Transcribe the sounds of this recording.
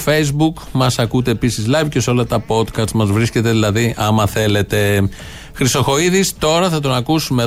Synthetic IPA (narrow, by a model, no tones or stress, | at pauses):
fe̞jzbukmɐsɐkut̪e̞ːpisizlɐvce̞so̞lɐt̪ɐpo̞t̪kɐst̪mɐzvɾisce̞t̪e̞ðilɐðiʔɐmɐθe̞le̞t̪e̞ | xɾist̪o̞xo̞iðist̪o̞ɾɐθɐt̪̬o̞nɐkusume̞